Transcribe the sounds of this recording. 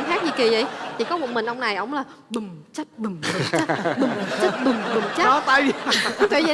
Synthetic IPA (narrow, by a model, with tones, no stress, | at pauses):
mxaː˦˥k̚ɲi˧˩ki˨˩zə̰˧˩jt̪ʰḭ˨˩kɔ˨˦mṵ˧˨nmï˨˩ŋ̟ʔɔ˧wŋ͡mna˨˩jʔə˨˧˦wŋ͡mlaː˨˩ɓi˨˩ŋt͡ɕə˦˥t̚ɓi˨˩ŋ˨˩˦ɓɨ˨˩t͡ɕə˦˥t̚ɓɨ˨˩ŋ͡mɓɨ˨˩ŋt͡ɕɔ˨˦t̪ə˧j̪ə˧˩ə˧˨